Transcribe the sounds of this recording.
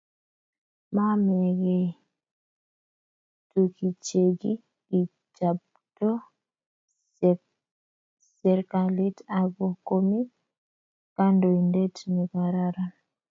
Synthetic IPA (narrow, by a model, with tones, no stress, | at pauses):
ma˦mɛ˨ɡɛ˨ | tu˨ki˨t͡ʃe˨ɡi˦ | i˨ | t͡ʃa˨p̚ | tɔ˦ | sɛɾka˨li˦ta˨ɡo˨ko˦mi˦ | ka˦ndo˨i˨nde˦tni˨ka˨ɾa˦ɾa˦